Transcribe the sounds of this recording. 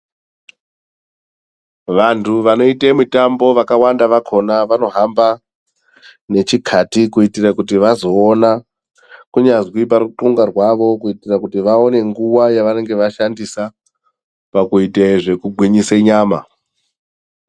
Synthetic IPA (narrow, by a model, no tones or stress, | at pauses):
ʋantʰuʋano̞itamutambo̞ʋakawandaʋakʰo̞naʋano̞ɦamba | ne̞t͡ʃikʰatikuitirakutiʋazo̞ːna | kuɲazwip̬aɾuǃuŋɡarwaʋo̞kuitirakutiʋaone̞ŋɡuwajaʋane̞ŋɡe̞ʋaʃandisa | pakuitaeʐe̞kuɡʱwiɲiseɲaːma̰